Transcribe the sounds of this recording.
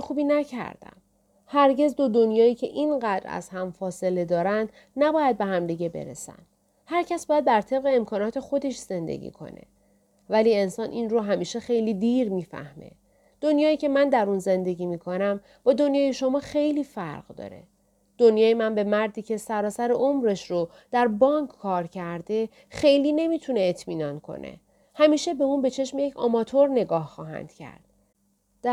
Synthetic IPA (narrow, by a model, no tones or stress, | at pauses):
xuːbiːnæcʰæ̰ɾd̪æ̰m | hæɾɟe̞zd̪od̪o̞njɒːiːcʰe̞ʔiːnɢæd̪ɾæ̰z̥hæmfɒːse̞le̞d̪ɒːɾænd̪ | næbɒːjæd̪̚be̞ɦæmd̪iɡɟe̞be̞̰ɾḛsæ̰n | hæɾcʰæsbɒːjæd̪̚bæɾt̪ʰe̞b̚ɣeːmkʰɒːnɒːt̪ʰe̞xo̞d̪e̞ʃz̥e̞nd̪ḛɟḭːkʰo̞̰nḛ | væliːe̞nsɒːnʔinɾoːɦæmiːʃe̞xe̞jliːd̪iːɾmiːfæ̰hmḛ | d̪̥onjɒːiːcʰe̞mænd̪æɾunze̞nd̪e̞ɟiːmiːkʰo̞næm | b̥ɒːd̪o̞njɒːje̞ʃo̞mɒːxe̞jliːfæɾɢ̥d̪ɒ̰ːɾe̞̰ | d̪̥onjɒːjemænbe̞mæɾd̪iːcʰe̞sæɾɒːsæɾeʔomɾeʃɾo | d̪̥æɾbɒŋkʰkʰːɒːɾcʰæɾd̪e̞ | xe̞jliːne̞miːt̪ʰune̞ːt̪ʰmiːnɒnkʰo̞̰nʔḛ | hæmiːʃe̞be̞unbe̞t͡ʃʰe̞ʃmjecʰɒ̰mɒːt̪ʰoɾne̞ɡɒːhxɒːɦæ̰nd̪̥cʰæ̰ɾd̪̥ | d̪æ